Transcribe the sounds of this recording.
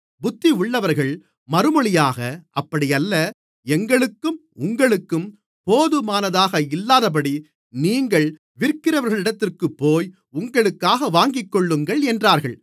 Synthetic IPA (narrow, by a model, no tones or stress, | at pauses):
bʊt̪ːiʊɭːɐʋɐɾɣɐɭ | mɐɾɯmɔɭɪjaːɣɐʔɐpːɐɽɪjɐlːɐ | ɛŋɡɐɭɯkːɯm | ʊŋɡɐɭɯkːɯm | poːðɯmaːnɐðaːɣɐɪlːaːðɐp̬ɐɽi | niːŋɡɐɭ | ʋɪɾkːɪɾɐʋɐɾɣɐɭɪɽɐt̪ːɪrkɯpːoːj | ʊŋɡɐɭɯkːaːɣɐʋaːŋɡɪkːɔɭːɯŋɡɐɭɛndraːɾɣɐɭ